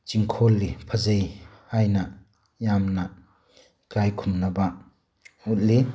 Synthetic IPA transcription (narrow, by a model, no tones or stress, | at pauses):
t͡ʃiŋkʰɔlːipʰɐzejhajnɐ | jamna | kajkʰumnɐba | ut̚li